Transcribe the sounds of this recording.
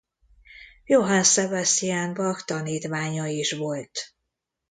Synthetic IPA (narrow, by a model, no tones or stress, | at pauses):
joɦɒnsɛbast̪ijaːnbɒkt̪ɒniːt̪ʋaːɲɒiʃʋo̞lt̪